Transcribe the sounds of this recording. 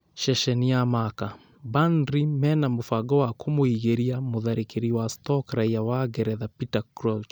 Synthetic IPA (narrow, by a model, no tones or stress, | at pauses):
ʃɛʃɛniamaka | bandɾimɛnamofaɡɔwakʰomoiɣeɾiamoðaɾekeɾiwastɔkɾaiawaɡɛɾɛðapitakɾɔt͡ʃ